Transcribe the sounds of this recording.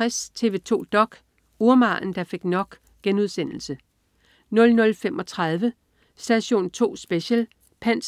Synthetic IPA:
ast͡sʰe̝ʋe̝t͡sʰo̝̰ːd̥ɒ̽ɡ̥ | uɐmɑ̈ːn̩d̥ɑ̈fe̝ɡ̥nɒ̽ɡ̥ | ɡ̥enuð̞ˠsen̰l̩sə | nɔ̽lnɔ̽lfemʔɒ̽t͡sʰʁɑð̞ˠʋə | sd̥æɕo̝̰ːnt͡sʰo̝̰ːsb̥eɕel | pʰæn̰s

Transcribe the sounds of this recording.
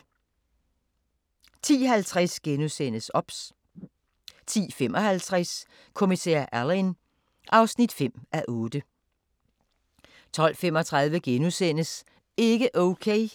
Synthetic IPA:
t͡sʰḭːɦælt͡sʰʁasɡ̥enusen̰əsɒ̽b̥s | t͡sʰḭːfemɒ̽hælt͡sʰʁas | kʰo̝misɛ̰ɐ̰ʔælin | ʔɑ̈ʊsnid̥fem̰ʔæʔɔ̽ːd̥ə | t͡sʰɒ̽l̰femɒ̽t͡sʰʁɑ̈ð̞ˠʋəɡ̥enusen̰əs | e̝ɡ̥əʔoʊkʰeɪ

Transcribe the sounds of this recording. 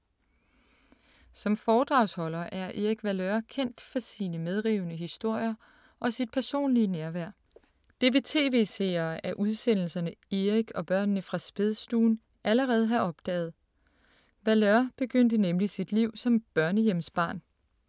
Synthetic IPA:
sɒ̽mfɒːd̥ʁɑ̈ʊ̰shɒ̽lɐʔæɐʔe̝ʁiɡ̥ʋælœɐkʰen̰d̥fɒ̽siːnəmeð̞ˠʁiːʊnəɦisd̥o̝ɐ̰jɐ | ʔɒ̽sid̥̚pʰæɐso̝̰ːnliənæɐʋæɐ̰ | d̥e̝ʋe̝t͡sʰe̝̰ːʋe̝̰ːsḛːɐːæɐʔuð̞ˠsen̰l̩sɐnəe̝ʁiɡ̥ɒ̽b̥ɶɐ̰nnəfʁɑ̈sb̥e̝ðˠsd̥uːn | ʔæləʁɛːð̞̩ˠɦæʔɒ̽b̥̚d̥ɛ̰ːð̞̩ˠ | ʋæløɐb̥e̝ɡ̥øn̰d̥ənemlisid̥liʊ̰sɒ̽mb̥ɶɐnəjemsb̥ɑ̈ːn

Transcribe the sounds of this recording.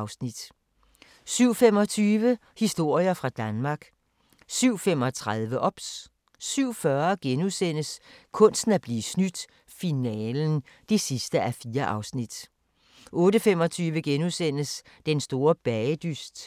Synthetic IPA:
ʊsnid̥ | syʊ̰femɒ̽t͡sʰyːʋə | hisd̥o̝ɐ̰jɐfʁɑ̈d̥ænmɑ̈ɡ̥ | syʊ̰fem̰ɒ̽t͡sʰʁaðˠʋəʔɒ̽b̥sː | yʊ̰fɶɐɡ̥enusen̰əskʰɔ̽n̰sd̥n̩æɐb̥liːsnyd̥ | finɛːln̩d̥e̝sisd̥əʔæfiːɐʔɑ̈ʊsnid̥ | ʔɔ̽ːdəfem̰ɒ̽t͡sʰyːʋəɡ̥enusen̰əs | d̥ensd̥o̝ːɐb̥ɛd̥ysd̥

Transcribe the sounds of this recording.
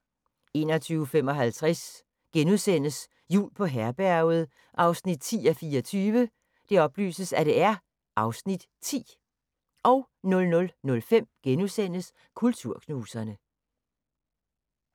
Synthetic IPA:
e̝ːnɐt͡sʰyːʊəfem̰ɒ̽ɦælt͡sʰʁas | ɡ̥enusen̰əs | jṵːlpʰɒ̽ɦæɐb̥æɐʊð̞̩ˠ | ʔɑ̈ʊsnid̥̚t͡sʰḭːæfiːɒt͡sʰyːʋə | d̥e̝ɒ̽b̥ly̰ːsəsæɾ̥e̝æɐ | ʔɑ̈ʊsnid̥ | t͡sʰḭː | ʔɒ̽ʊ | nɔ̽lnɔ̽lnɔ̽lfem̰ɡ̥enusen̰əs | kʰult͡sʰuɐ̰kʰnuːsɐnə

